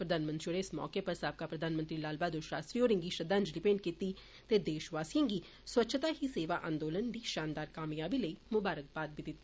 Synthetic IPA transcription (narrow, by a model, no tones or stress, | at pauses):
pɾəd̪ʱaːnmənt̪ɾioːɾeɪsmɔ̰ːkepɐɾsaːp̚kapɾəd̪ʱaːnmə̃nt̪ɾilaːlbaːd̪oʃɾaːst̪ɾioːɾɪ̃ŋɡiʃəd̪ãːnd͡ʒɖɪpẽɳɖ̚kiːt̪i | t̪eːd̪eːʃʋaːsijə̃ːŋɡiː | swətːʃʰt̪aːɦiseːʋaːʔã̰ːnd̪oːlənd̪iːʃaːnd̪aːɾkaːmjaːbiləimʊbaːɾək̚baːt̪̚bid̪ɪt̪ːa